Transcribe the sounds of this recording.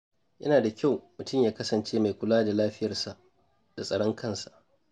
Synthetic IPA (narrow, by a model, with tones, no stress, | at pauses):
jɐ˦naː˨da˨kʲa˦˨wmʊ˨tʊ˦˨mjaː˦kɐ˦sɐ˨nt͡ʃeː˦ma˨jkʷʊ˦laː˦da˨laː˦ɸɪ˦jɐ˨rsa˨ʔ | d̥a˨sʼɐ˨ɽɔ˦ŋkʰɐ˦nsḁ˨ʔ